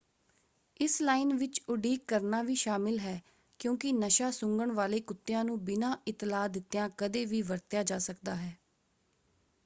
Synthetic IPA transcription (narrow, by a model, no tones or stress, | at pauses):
ɪslaːɪnʋɪt͡ʃʊɖiːkːəɾnaːʋiːʃaːmɪlɦɛː | kjõːkɪnəʃaːsʊ̃ŋɡəɳʋaːleːkʊt̪ːɪjãːnũːbɪnãːʔɪt̪laːd̪ɪt̪ːjãːkəd̪eːʋiːʋəɾt̪jaːd͡ʒaːsəkd̪aːɦɛː